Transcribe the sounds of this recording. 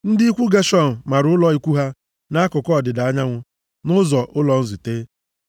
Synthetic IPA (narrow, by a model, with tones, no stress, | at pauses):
n̩˦dɪ˦i˦kʷu˦ɡe˦ʃɔ˦n̩˨ma˨ɾʊ˨˦ʊ˦lɔ˦i˦kʷu˦ɦa˦ | na˦a˦kʊ˨kɔ˦˨dɪ˨da˨a˦ɲa˦ŋʷʊ˦ | nʊ˦zɔ˨ʔʊ˦lɔ˨n̩˦zu˨teː˦